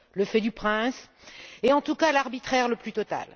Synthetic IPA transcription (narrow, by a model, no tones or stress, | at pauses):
ləfɛd̪ypχɛ̃s | eɑ̃t̪ukalaʁbit̪χɛʁləplyt̪ɔt̪a̰l